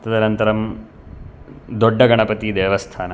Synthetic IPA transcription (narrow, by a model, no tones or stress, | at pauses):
t̪ɐd̪ɐnɐnt̪ɐɾɐm | d̪oɖːɐɡɐɳɐpɐt̪id̪eːʋɐst̪ʰaːnɐ